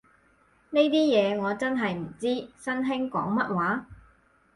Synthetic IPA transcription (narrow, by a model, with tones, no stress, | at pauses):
ne˥jt̪iː˥jɛː˨˧ŋɔː˨˧t͡sɐ˥nɦɐ˨jm̩˨˩t͡siː˥sɐ˥nɦɪ˥ŋkɔ̰ː˨˥ŋmɐ˥t̚waː˨˥